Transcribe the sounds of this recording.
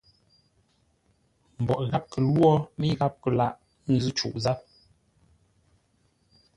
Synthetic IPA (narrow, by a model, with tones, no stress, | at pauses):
m̩˨bɔ˨ʔɣa˦p̚kə˨lwɔ˦mi˦ɣa˦p̚kə˨la˦˨ʔ | n̩˦zʉ˦t͡ʃṵ˨ʔza˦p̚